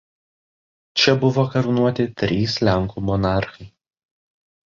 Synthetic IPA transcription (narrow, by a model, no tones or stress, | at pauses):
t͡ʃʲɛbʊʋoːkɐɾnuɔt̪ʲɪt̪ʲɾʲiːslʲæŋkumɔnɑˑɾxɐɪ